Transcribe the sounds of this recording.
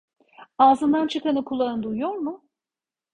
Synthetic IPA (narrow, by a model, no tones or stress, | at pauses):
aːzɯnd̪ant͡ʃʰɯkanɯkʰulˠːanɯnd̪ujujoɾmʊ